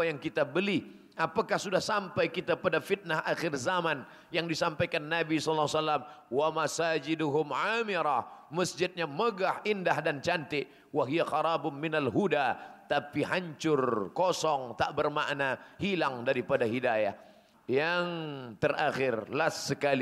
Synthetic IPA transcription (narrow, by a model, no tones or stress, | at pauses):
ajaŋkit̪abəli | ʔapakahsudahsampajkit̪apadafit̪̚nahʔaxɪrzaman | jaŋdisampajkanːabisllːawsalːamwamasad͡ʒɪdʊɦʊmʕamiɾaməsd͡ʒɪt̪̚ɲaməɡahʔindahdant͡ʃant̪ɪʔ | waɦijaxɑɾɑːbʊnmɪnalɦudat̪apiɦaɲt͡ʃʊrkɔsɔŋt̪aʔbərma̰ʔnahilaŋdaɾipadaɦidaja̰h | jaŋt̪əraxɪrlasːəkali